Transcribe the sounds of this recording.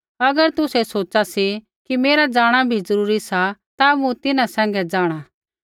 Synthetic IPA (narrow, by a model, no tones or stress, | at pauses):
ɐɡəɾt̪ʊsɛsoːt͡ʃasi | kimeːɾad͡ʒaːɽ̃abʱizɐɾuːɾisat̪amũt̪ɪnãsɛ̃ːŋ̆ɡɛd͡ʒaːɽ̃a